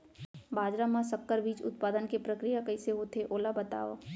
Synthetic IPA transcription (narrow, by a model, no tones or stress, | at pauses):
baːd͡ʒɾamãsəkːəɾbiːt͡ʃʊ̰t̪̚paːd̪ənkepɾəkɾijakɐiseɦot̪ʰeʔoːlabət̪a̰ːo̰